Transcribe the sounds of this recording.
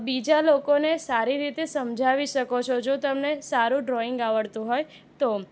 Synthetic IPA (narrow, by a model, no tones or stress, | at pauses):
bid͡ʒalokonesaɾiɾit̪esəmd͡ʒʱaʋiʃəkot͡ʃʰod͡ʒot̪əmnesaɾũɖɾoɪŋɡaʋəɭt̪ũɦoj | t̪o